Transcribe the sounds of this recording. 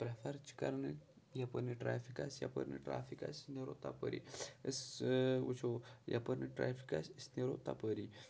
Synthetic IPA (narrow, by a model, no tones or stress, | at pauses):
pɾafaɾt͡ʃi̥ka̰ɾni | japəɾniʈɾafikasja̰pə̰ɾnḭʈɾa̰fika̰sniɾot̪apə̰ɾḭəswut͡ʃʰoja̰pəɾniʈɾafʰi̥kasəsniɾot̪apəɾi